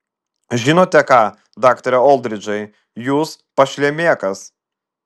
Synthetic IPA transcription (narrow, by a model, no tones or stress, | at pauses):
ʒʲɪnoːt̪ʲɛkɑː | d̪ɑːkt̪ɐɾʲɛɔlˠʲd̪ʲɾʲɪd͡ʒʲɐɪ | juːspɐʃʲlʲɛmʲeːkɐs